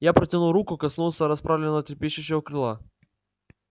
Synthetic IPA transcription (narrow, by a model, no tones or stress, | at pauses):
japɾətʲɪnuɾukʊkɐsnulˠsəɾɐspɾavlʲɪnːəvətʲɪɾpʲeɕɪɕːɪvəkɾɨlˠa